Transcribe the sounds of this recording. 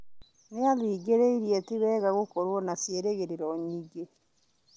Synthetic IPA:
neaðiːɡeɾeiɾietiβɛːɣaɣokoɾwɔnasjeɾeɣeɾeɾɔɲiɡe

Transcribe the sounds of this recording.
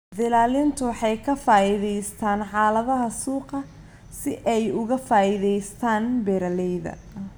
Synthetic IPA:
d̪ɪlaːlɪnt̪ʰʊħɑjkʰɐfaːɪðɛjst̪ʰaːnħɑːlɐðɐɦɐsuːqɐ | sɪʔɛjʊɣɐfaːɪðɛjst̪ʰaːnbɛːɾɐlɛjðɐ̰

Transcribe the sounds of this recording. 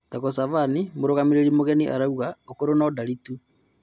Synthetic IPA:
taɣɔsaβanimoɾoɣamiɾeɾimoɣɛniʔa̰ɾauɣaokoɾonadaɾitu

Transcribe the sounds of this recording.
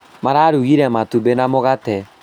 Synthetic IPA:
maɾaɾuɣiɾɛmatubenamoɣatɛ

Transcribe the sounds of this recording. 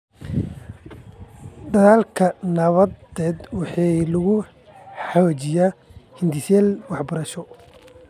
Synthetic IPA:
d̪ɐðaːlkʰɐnɐβɐd̪ɛːd̪wɑħɑːlɐɣʊ | ħɑwat͡ʃɪjahɪnd̪ɪsɛːlwɑħbɐɾɐʃɔ

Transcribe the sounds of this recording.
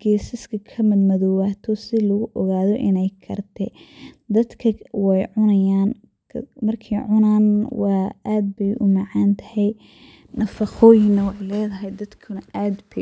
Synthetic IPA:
ɡ̥ɛːsɪskʰɐkʰɐmɪd̪mɐðɔwaːt̪ʰɔsɪlɐɣʊʔɔɣaːðɔʔɪnɛjkʰɐ̰rt̪ʰɛd̪ɐd̪kʰɐwɛjʕʊnɐjaːn | kʰmɐrkʰɐjʕʊnaːnwɑːaːd̪̚bɛjʔʊ̰mɑʕɑːnt̪ʰɐ̥hɛj | nɐfɑχɔːjɪŋnːɐwɑħɑjlɛːðɐɦɛjd̪ɐd̪kʰʊnɐʔaːd̪bɛ

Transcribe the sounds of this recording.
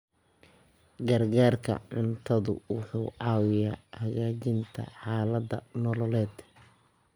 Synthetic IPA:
ɡɐrɡaːrkʰɐ̰ʕʊnt̪ʰɐðʊ̰wʊħuːʕɑːwɪjaːhɐɣaːt͡ʃɪnt̪ʰɐ̰ħɑːlɐd̪ɐnɔlɔlɛːd̪

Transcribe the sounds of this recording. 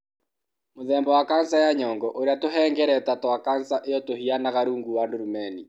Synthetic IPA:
moðɛːmbɔwakansajaɲɔŋɡɔʔoɾeatoɦɛŋɡɛɾɛtatwakansaʔejɔtohianaɣaɾuːŋɡuwandoɾumɛni

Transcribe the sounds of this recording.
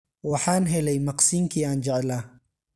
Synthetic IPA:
wɑħɑːnɦɛlɛjmɑqsiːŋkʰiːaːnt͡ʃɛʕlaː

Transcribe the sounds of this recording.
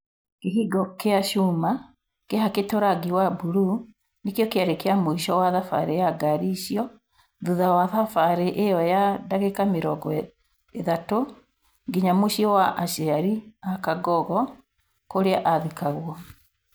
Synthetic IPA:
kiɦiɡɔkeaʃuːma | keɦaketɔɾaɡiwabuɾu | nikjɔkeaɾekeamuiʃɔwaðafa̰ɾejaɡaɾiʃjɔ | ðuðawaðafaɾeʔejɔjadaɣekamiɾɔɡɔ | eðato | ɡiɲamuʃiɔwaʔaʃɛaɾiakaɡɔɣɔ | koɾeaʔaðikaɣwɔ

